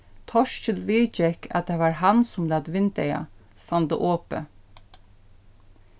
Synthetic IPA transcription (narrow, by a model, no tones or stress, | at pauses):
t̪ʰɔʃtɪlʋiːd͡ʒɛkʰɑ̰t̪̚d̪eːʋɑːɹhɑnsʊmlɑːd̪ʋɪnd̪æɪɑ̰ | st̪ɑnd̪ə̰ʔoːpə̰